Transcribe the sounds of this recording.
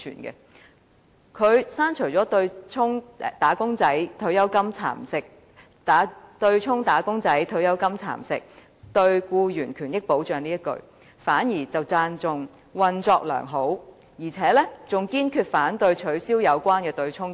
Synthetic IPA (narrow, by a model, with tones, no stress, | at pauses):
t͡ʃʰy̰ː˨˩nkɛ̰˧ | kʰɵ˨˧ɥsaː˥nt͡ʃʰɵ˨˩t͡sɔː˨˥t̪ɵ˧ɥt͡ʃʰʊ˥ŋt̪aː˨˥kʊ˥ŋt͡sɐ˨˥jt̪ʰɵ˧ɥjɐ˥wkɐ˥mt͡sʰa̰ː˨˩msɪ˨k̚ | ta˨˥t̪ɵ˧ɥt͡ʃʰʊ˥ŋt̪aː˨˥kʊ˥ŋt͡sɐ˨˥jt̪ʰɵ˧ɥjɐ˥wkɐ˥mt͡sʰa̰ː˨˩msɪ̰˨k̚ | t̪ɵ˧ɥkuː˧jyː˨˩nkʰyː˨˩njɪ˥k̚po˨˥wt͡ʃœː˨ŋniː˥jɐ˥kɵ̰˧ɥ | faː˨˥njiː˨˩t͡sɐ˨wt͡saː˧nt͡sʊ˨ŋ | wɐ˨nt͡sɔː˧k̚lœ̰ː˨˩ŋɦo˨˥w | jiː˨˩t͡sʰɛː˨˥lɛ˥t͡sʊ˨ŋkiː˥nkʰyː˧t̚faː˨˥nt̪ɵ˧ɥt͡ʃʰɵ˨˥ɥsiː˥wjɐ˨˧wkʷwaː˥nkɛː˧t̪ɵ˧ɥt͡ʃʰʊ˥ŋ